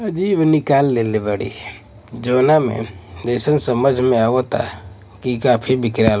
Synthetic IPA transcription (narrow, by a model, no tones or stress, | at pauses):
əd͡ʒiːbnɪkaːlːeːlebəɽḭ | d͡ʒoːnamḛ̃d̪əsənsəməd͡ʒʱmẽaɡot̪a̰ | kikapʰibɪkɾal